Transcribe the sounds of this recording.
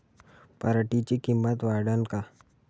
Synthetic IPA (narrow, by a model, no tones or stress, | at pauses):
pəɾəʈit͡ʃikimːət̪ʋaɽənka